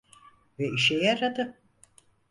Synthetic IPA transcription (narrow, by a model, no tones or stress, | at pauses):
vɛiʃɛjaɾat̪ɯp̚